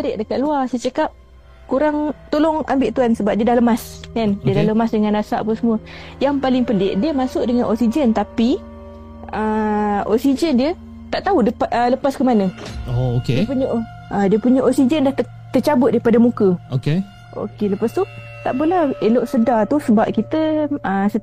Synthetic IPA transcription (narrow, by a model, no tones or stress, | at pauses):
əɾɪʔ̚dəkat̪̚luasət͡ʃəkap̚ | kuɾaŋt̪olɔŋa̰mbɪʔt̪uansəbap̚diədahləmaskandiədaləmasdəŋandasa̰ʔpənsəmuəjaŋpalɪŋpəlɪʔdiəmasʊʔ̚dəŋanʔɔksid͡ʒənt̪api | əɔ̰ʔsid͡ʒəndiə | t̪aʔt̪audəpələpaskəmanə̃ookedipuɲə | ʔadiəpuɲəʔoʔsid͡ʒəndaht̪ | t̪ət͡ʃabʊt̪̚daɾipadamukəoke | o̰keləpəsu | t̪aʔpəlaeloʔsədat̪usəbap̚kit̪əəsə